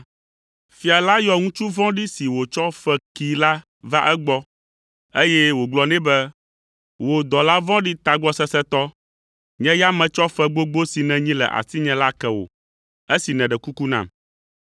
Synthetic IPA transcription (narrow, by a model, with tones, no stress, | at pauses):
fi˨a˨la˦jɔ˨ŋũ˦t͡ʃu˦vɔ̃˦ɖi˦si˨wo˨t͡ʃɔ˦fɛ˦ki˨la˦ | va˦ʔɛ˦ɡ͡bɔ˦ | e˦jɛ˦wo˨ɡ͡blɔ˨nɛ̃˦bɛ˦ | wo˨d̪ɔ˨la˦vɔ̃˦ɖi˦t̪a˨ɡ͡bɔ˦sɛ˦sɛ˦t̪ɔ˦ | ɲɛ̃˦ja˦mɛ̃˨t͡ʃɔ˦fɛ˨ɡ͡bo˦ɡ͡bo˦si˨nɛ̃˨ɲĩ˦lɛ̰˨ʔa̰˨si˦ɲɛ̃˨la˦kɛ˨wo̰˨ | e˦si˨nɛ̃˨ɖɛ˨ku˦ku˦nã̰˨m